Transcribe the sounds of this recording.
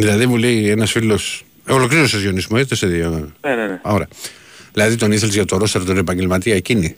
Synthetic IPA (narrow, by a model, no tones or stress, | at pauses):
ðilɐðimulejenɐsfilo̞s | olo̞kɾiɾosozʝionizmoet̪eseðioeneneoɾɐ | ðilɐðit̪o̞niθelzʝɐt̪oɾost̪ɐɾt̪one̞pɐɲɟelmɐt̪iɐecini